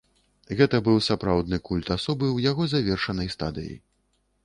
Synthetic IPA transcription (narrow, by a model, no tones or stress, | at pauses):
ɣɛt̪ɐbɨwsapɾawd̪̚nɨkulʲt̪asɔbɨwjaɣɔzavʲɛrʂɐnɐjst̪a̰d̪ɨ̰jḭ